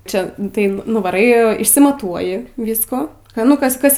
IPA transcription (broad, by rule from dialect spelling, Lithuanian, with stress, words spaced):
ˈt͡ʃʲɛ tɐɪ nʊʋɐˈrɐɪ ɪʃʲsʲɪmɐˈtuɔjɪ ˈʋʲiːskuː kɐ nʊ ˈkɐs ˈkɐs